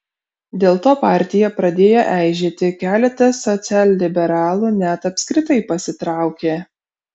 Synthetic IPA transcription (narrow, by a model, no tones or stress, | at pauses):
d̪ʲeːlˠt̪oːpɑˑɾʲt̪ʲɪjɛpɾɐd̪ʲeːjoʔæˑɪʒʲeːt̪ʲɪkʲæːlʲɛt̪ɐsɔt̪sʲæːlʲlʲɪbʲɛɾɑːlˠuːnʲæt̪ɐpʲsʲkɾʲɪt̪ɐɪpɐsʲɪt̪ɾɑˑʊkʲeː